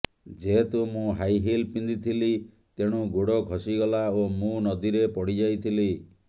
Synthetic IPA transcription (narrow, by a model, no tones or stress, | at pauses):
d͡ʒeɦet̪umũɦajɦilpind̪it̪ʰili | t̪eɽ̃ũɡoɽɔkʰɔsiɡɔlaomũnɔd̪iɾepɔɽid͡ʒajt̪ʰili